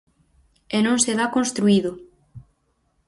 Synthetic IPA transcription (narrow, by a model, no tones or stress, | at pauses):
enõŋseðakonst̪ɾuiðʊ